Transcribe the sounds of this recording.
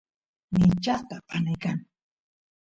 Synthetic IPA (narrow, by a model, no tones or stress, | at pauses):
mɪt͡ʃaqt̪apʰanajkaŋ